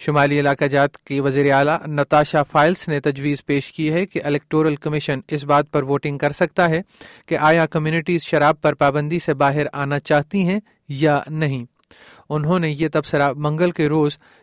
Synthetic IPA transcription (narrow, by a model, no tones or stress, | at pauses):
ʃʊmaːliɪlaːkad͡ʒaːt̪keʋɐziːɾeaːlanɐt̪aːʃafaːɪlsnet̪ɐd͡ʒʋiːzpeːʃkiɦɛkeʔɪlɛːk̚ʈoːɾəlkɐmɪʃənɪs̬baːt̪̚pɐɾʋoːʈɪ̃ŋɡ̚kɐɾsɐk̚t̪aɦɛkeʔaːjakɐmjuːnɪʈiːzʃɐɾaːb̚pɐɾpaːbə̃nd̪isebaːɦɪɾaːnat͡ʃaːɦt̪iɦɛ̃ | janɐɦĩː | ʊnɦõnejet̪ɐbsəɾamɐ̃ŋɡəlkeɾoːz